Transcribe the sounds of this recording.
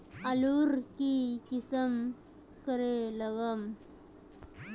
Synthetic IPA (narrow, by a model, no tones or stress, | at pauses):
aluɾkikisəm | kəɾeləɡəm